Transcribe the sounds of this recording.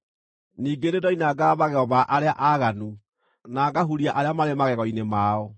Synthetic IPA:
niːɡeɾedɔinaːɡaβaɣɛɣɔβaʔaɾeaʔaɣanu | naːɡaɦuɾiaʔaɾeamaɾemaɣɛɣɔinemaːɔ

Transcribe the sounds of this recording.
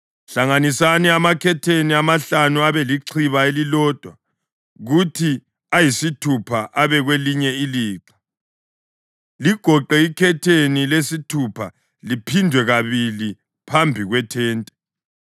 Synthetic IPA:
ɬaŋanisaniamakʰɛtʰeniamaɬanuaβɛliǀʰiβaelilɔːd̥ʱwa | ɣutʰi | ajisitʰupʰaʔaβɛɣweliɲɛiliːǁḁ | liɡ̥ʱɔǃɛikʰɛtʰenilesitʰupʰa̰ | lipʰindʱwɛɣaβili | pʰambʱiɣwɛtʰɛːntʼɛ̥

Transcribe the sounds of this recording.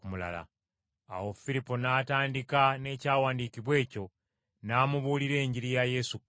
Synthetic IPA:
mula̰la̰ | a̰wo̞fiɾipːonaːtaːndikane̞ːcaːwaːndiːkiβwe̞ːco̞ | naːmuβuːliɾe̞ːɲɟiɾijaje̞su

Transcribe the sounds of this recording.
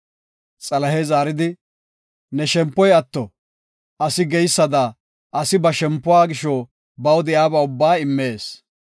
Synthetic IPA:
t͡sʼɐlɐɦezaːɾɪd̪ɪ | nɛʃɛmpːɔjɐt̪ːɔ | ʔɐsɪɡɛjsːɐd̪ɐ | ʔɐsɪbɐʃɛmpːʊwaːɡɪʃɔ | bɐwd̪ɪjaːbɐʊbːaːɪmːe̞ːs

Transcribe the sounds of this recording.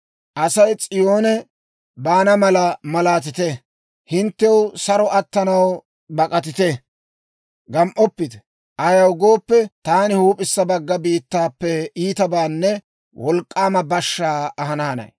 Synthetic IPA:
ʔɐsɐjt͡sʼɪjo̞ːnɛ | baːnɐmɐlɐmɐlaːt̪̬ɪt̪ɛ | hɪnt̪ːɛwsɐɾɔʔɐt̪ːɐnɐw | bɐkʼɐt̪̬ɪt̪ɛ | ɡɐmʔɔpːɪt̪ɛ̥ | ʔɐjɐwɡo̞ːpːɛt̪aːnɪhuːpʼɪsːɐbɐɡːɐbiːt̪ːaːpːɛiːt̪ɐbaːnːɛ | wʔɔlkʼːaːmɐbɐʃːaːɐɦɐnaːnɐ̰j

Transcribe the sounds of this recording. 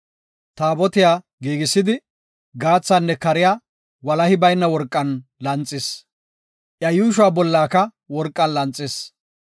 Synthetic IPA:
t̪aːbɔt̪ɪjaː | ɡiːɡɪsːɪd̪ɪ | ɡaːt͡sːanːɛkɐɾɪjaː | wɐlɐhɪbɐjnːɐwɔɾkʼːɐnlɐnt͡sʼːɪs | ʔjɐjuːʃʊaːbɔlːaːkɐ | wɔɾkʼːɐnlɐnt͡sʼːɪs

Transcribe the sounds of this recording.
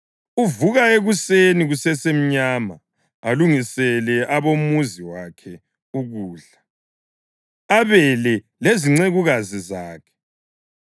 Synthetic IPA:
uvuɣaeɣuseniɣusɛsem̩ɲaːma̰ | aluŋisɛlɛʔaβomuziwakʰɛ | uɣuːɮa | aβɛlɛ | leziŋ͡ǀeɣuɣazizaːkʰɛ̥

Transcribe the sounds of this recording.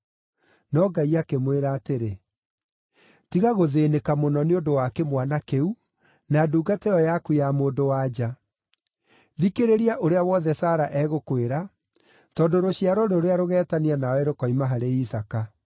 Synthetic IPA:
nɔɡaiakemweɾaːteɾe | tiɣaɣoðeːnekamonɔneondowakemwanakeu | naduːɡateɔjakuamoːndowaːd͡ʒa | ðikeɾeɾiaʔoɾeawɔːðɛsaːɾaʔɛɣokweɾa | tɔːndoɾoɕijaɾɔɾeoɾeaɾoɣɛːtaneanawɛɾokɔimaɦaɾeisaka

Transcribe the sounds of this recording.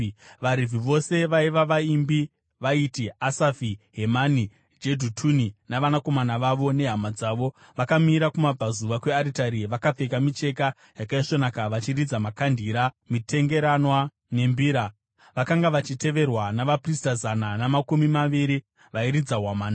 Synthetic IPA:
ʋaɾiviʋo̞se̞ʋaiʋaʋaimbi | ʋaitiasafiɦe̞mani | d͡ʒedʱutʰuninaʋanako̞manaʋaʋo̞ne̞ɦamad͡zaːʋo̞ | ʋakamiɾakumab͡vʱazuʋakwe̞aɾitaɾiʋakap͡fe̞kamit͡ʃe̞ka | jakaiʂo̞nakaʋat͡ʃirid͡zamakandʱiːɾamite̞ŋɡe̞ɾanwa | ne̞mbiːɾa | ʋakaŋɡaʋat͡ʃite̞ʋe̞rwanaʋapristazananamakumimaʋiɾi | ʋaiɾid͡zaɦwamaːna

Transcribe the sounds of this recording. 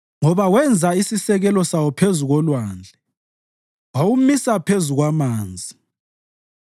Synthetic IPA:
ŋɔβawɛnd͡zʱaisisɛɣɛlɔsawɔpʰezuɣɔlwaːnd͡ɮʱɛ | wawumisapʰezuɣwamaːnd͡zʱi

